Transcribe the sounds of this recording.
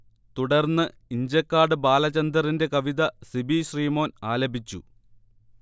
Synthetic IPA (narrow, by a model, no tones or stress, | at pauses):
t̪uɽɐrnːɨ | iɲd͡ʑɐkːaːɖɨbaːlɐt͡ɕɐnd̪ɐrinde̞kɐʋiðɐsibiɕriːmo̞ːnaːlɐbʱit͡ɕːṵ